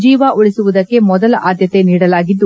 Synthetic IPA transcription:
d͡ʒiːʋaʔuɭisuʋud̪ɐkːe̞mɔd̪ɐlɐʔaːd̪ʱjɐt̪e̞niːɽɐlaːɡid̪ːu

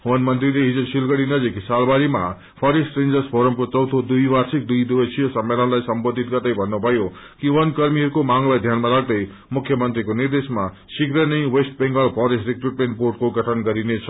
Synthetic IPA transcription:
wʌnmʌnt̪rileɦid͡zosilɡʌɽinʌd͡ziksalbaɾima | pʰʌɾisʈrend͡zʌrspʰoɾʌmkot͡sʌwt̪ʰod̪ujwarsik̚d̪ujd̪ubʌsʰijʌsʌmːelʌnlajsʌmbod̪ʱːit̪̚ɡʌrt̪ʌjbʱʌnːubʱʌjo | kiwʌnkʌrmiɦʌɾukomaŋlajd̪ʱjanmaɾak̚d̪ʌj | mukʰjʌmʌnt̪rikonird̪esma | sikrʌnijwesʈ̚beŋɡʌlpʰʌɾesrikruʈmẽɳʈ̚porʈ̚koɡʌʈʰʌnɡʌɾinet͡sʰʌ

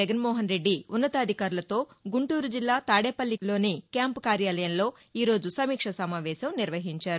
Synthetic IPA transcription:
ɛɡɐnmɔːɦɐnɾe̞ɖːiunːɐt̪ɐːd̪ʱikaːɾulɐt̪o̞ːɡuɳʈuːɾud͡ʒilːaːt̪aːɽeːpɐlːilo̞ːnikjaːmpukaːɾjaːlɐjɐmlo̞ː | iːɾo̞ːd͡ʒusɐmiːkʂɐsɐmaːʋɛːʃɐmniɾʋɐɦiɲt͡ʃaːɾu

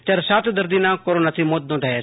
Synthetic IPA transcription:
t̪ɐɾsaːt̪d̪ɐɾd̪inãkoɾoːnat̪ʰimoːt̪̚d̪õd̪ae

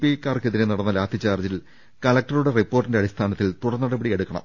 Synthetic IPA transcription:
pikːaːrkeðinenɐɽɐnːɐlaːt̪ʰɐt͡ɕːaːrd͡ʑil | kɐlɐk̚ʈɐruɽe̞ripːo̞ːrʈːindeɐɽist̪ʰaːnɐt̪ːilt̪uɽɐnːɐɽɐbɐɽieɽukːɐɳɐ̰m

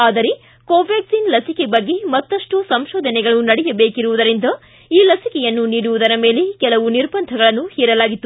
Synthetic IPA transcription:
aːd̪ɐɾe | koːʋaːɡsinlɐsikebɐɡːe̞mɐt̪ːɐʂʈusɐmʃɔːd̪ʱɐnɛɡɐɭunɐɽɛjɐbe̞ːkiɾuʋud̪ɐɾind̪ɐ | iːlɐsikɛjɐnːuniːɽuʋud̪ɐɾɐme̞ːlekɛlɐʋuniɾbɐnd̪ʱɐɡɐɭɐnːuhɛːɾɐlaːɡit̪ːu

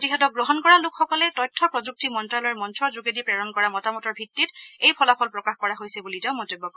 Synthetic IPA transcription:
ptixɛtɔk̚ɡɹoɦɔnkɔɹalʊkxɔkɔlɛtɔjtʰːɔpɹɔzuk̚timɔntɹalɔɹmɔntʰɔzuɡedipɹɛɹɔnkɔɹamɔtamɔtɔɹbʱitːitejpʰɔlapʰɔlpɹɔkaxkɔɹaɦojsɛbulitaʊ̃mɔtobːɔk

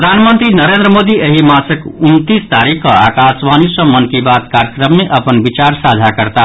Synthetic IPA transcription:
ɾəd̪ʱanmənt̪ɾinəɾend̪ɾəmod̪ieɦimasəkunt̪ist̪aɾikʰkʌakasʋanisʌ̃mʌnkibat̪kaɾjəkɾəmːeʔʌpənbit͡ʃaɾsad͡ʒʱakəɾt̪a

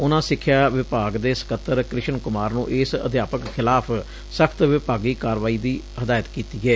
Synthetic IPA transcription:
ʊnãːsɪkʰːjaːʋɪpaːɡd̪eːsə̥kət̪ːəɾkɾɪʃənkʊmaːɾnũːʔɪsə̰d̪ʱjaːpəkkʰɪlaːpʰ | səkʰt̪ʋɪpaːɡiːkaːɾʋaːiːd̪iː | ɦəd̪aːjət̪kiːt̪iːɡɛː

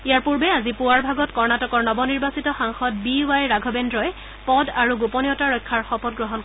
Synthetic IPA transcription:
ijaɹpuɹbɛazipuwaɹbʱaɡɔtkɔɹnatɔkɔɹnɔbɔniɹbasitɔxaŋxɔt̚biwajɹaɡʱɔbendɹɔjɛ | pɔdaɹuɡupɔniɔtaɹɔjkʰːaɹxɔpɔt̚ɡɹɔɦɔnk

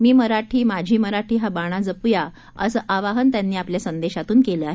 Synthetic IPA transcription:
miːməɾaʈʰiːmad͡ʑʱiːməɾaʈʰiːɦabaɽ̃ad͡zəpuja | ə̰səːʔaʋaɦənt̪janːiːapljasənd̪eɕat̪uːnkeləːaɦe

